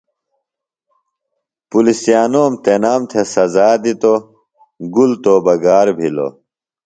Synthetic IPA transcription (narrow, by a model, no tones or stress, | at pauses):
pulisijaːnoːmt̪enaːmt̪ʰesɐzaːd̪it̪o | ɡult̪oːbɐɡaːɾbʱilo̰